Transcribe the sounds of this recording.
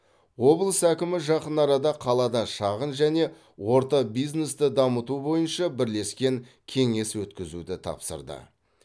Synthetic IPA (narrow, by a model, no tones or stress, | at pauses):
wo̞blˠəsækʲɪmɪʒɑqənɑɾɑd̪ɑqʰɑlˠɑd̪ɑʃɑʁənʒæne̞ | wo̞ɾt̪ɑbijzne̞st̪ɪd̪ɑmət̪ubo̞jənʃɑbɪɾle̞skʲe̞ŋ | kʲʰe̞ŋe̞swɵt̪kʲɪzud̪ɪt̪ʰɑ̰psə̰ɾd̪ə̰